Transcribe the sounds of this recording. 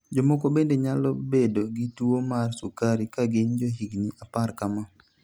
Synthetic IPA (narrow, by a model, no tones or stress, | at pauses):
d͡ʒɔmɔkɔbendeɲalɔbedoɡituomarsukaɾikaɡɪɲd͡ʒoɦiɡniʔaparkama